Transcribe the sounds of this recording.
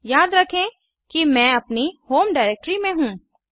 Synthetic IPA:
jaːd̪ɾɐkʰẽ | kimɛ̃ːɐpnihoːmɖaːɪɾeːk̚ʈɾimẽɦũː

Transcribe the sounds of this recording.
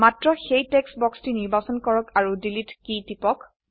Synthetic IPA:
matɹɔxejtɛksbɔkstiniɹbasɔnkɔɹɔkaɹudilitkitipɔk

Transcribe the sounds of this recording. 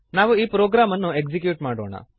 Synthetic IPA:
naːʋuiːpɾoːɡɾaːmɐnːue̞kd͡ʒik̬juːʈmaːɽoːɳɐ̰

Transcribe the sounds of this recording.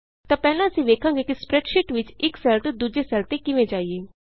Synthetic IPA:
t̪ãːpɛːlãːəsĩːʋeːkʰãːŋɡeːkispɾɛːɖʃɪʈʋɪt͡ʃɪksɛːlt̪d̪uːd͡ʒesɛːlt̪ekɪʋẽd͡ʒaːieː

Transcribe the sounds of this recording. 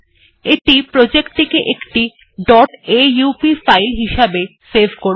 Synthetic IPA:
eʈipɾod͡ʑekt̪ʰekeʔekʈi | ɖɔʈejupifajlɦiʃabesebʱkoɾ

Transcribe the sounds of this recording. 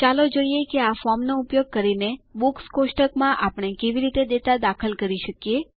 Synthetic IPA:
t͡ʃalod͡ʒoijekeafɔmnoupjoɡ̚kəɾinebukskoʃʈəkmãʔapəɽ̃ekeʋiɾit̪ed̪et̪ad̪akʰəlkəɾiʃəkje

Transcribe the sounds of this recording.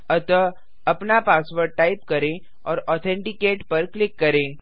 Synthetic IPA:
ət̪ʋə | əpnapasʋəɾʈaipkəɾẽ | ɔɾɔt̪ʰẽɳʈikeʈpəɾklɪkːəɾẽ

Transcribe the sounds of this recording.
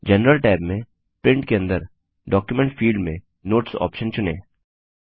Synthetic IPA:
d͡ʒɛnɾəlʈaːmːẽ | pɾɪ̃ɳʈkeɐ̃nd̪əɾ | ɖɔːkjumẽɳʈfiːlɖmẽ | noːʈsɔ̰ːpʃənt͡ʃʊnḛ̃ː

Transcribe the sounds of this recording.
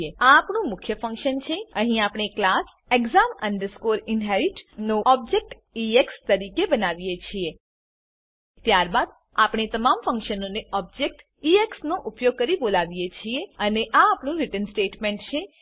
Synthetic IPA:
eaːpɳũmʊkʰjəfə̃ŋkʃənt͡ʃʰeəɦĩapɽ̃eklas | eɡzamə̰ɳɖəɾskoɾɪnɦɛɾiʈnõʔɔb̚d͡ʒek̚ʈ | iekst̪əɾikebənaʋijet͡ʃʰie | t̪jaɾbad̪ | apɳ̃et̪əmamfə̃ŋkʃənoneɔb̚d͡ʒek̚ʈ | ieksnoʔupjoɡ̚kəɾibolaʋijet͡ʃʰieəneʔaːpɳũɾɪʈənsʈeʈmẽɳʈt͡ʃʰe

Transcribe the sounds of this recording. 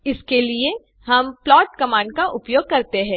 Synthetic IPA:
ɪskelie | ɦɐmplɔːʈkɐmaːɳɖkaʔʊpjoːɡ̚kɐɾt̪eɦɛ̃ː

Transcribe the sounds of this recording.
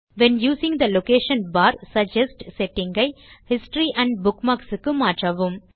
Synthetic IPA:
ʋɛ̃njuːsɪ̃ŋd̪ɐloːkeːʃɐ̃nbaːɾsɐd͡ʒɛsʈsɛʈːɪ̃ŋɡɐɪhɪsʈɾiʔæ̃ɳɖ̚bʊkmaːksɨkːɯmaːʈɾaʋɯm

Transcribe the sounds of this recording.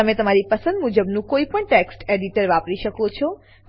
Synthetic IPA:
əmẽt̪əmaɾipəsə̃nd̪mud͡ʒəbnũkoipəɳʈeksʈeɖiʈəɾʋapɾiʃəkot͡ʃʰɔ

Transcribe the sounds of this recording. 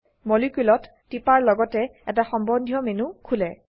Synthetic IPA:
molikulɔtːipaɹlɔɡɔtɛɛt̬axɔmbɔndʱjɔmenukʰulɛ

